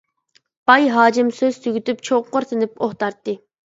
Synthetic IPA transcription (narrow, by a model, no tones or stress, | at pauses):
b̥ɑjɦɑːd͡ʒɪmsøz̥t̪ʰyɡʲyt̪ypt͡ʃʰoqoɾt̪ʰɨnɪpoht̪ɑɾt̪ːɨ